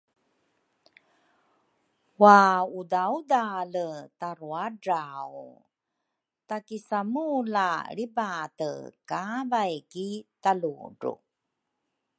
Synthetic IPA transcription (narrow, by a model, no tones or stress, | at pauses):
waudaudalətaɾuadaw | takisamulaɭibatə̰kavajkitalṵdṵ